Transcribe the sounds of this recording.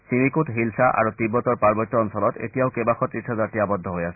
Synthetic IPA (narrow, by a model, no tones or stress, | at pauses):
simikutɦilsaʔa̰ɹut̪ibːɔt̪ɔɹpaɹbɔt̪ːɔɔnsɔlɔt̪ḛtijaʊkebaxɔt̪ːitsʰazaɹtiabɔd̪ʱːɔɦojasɛ̥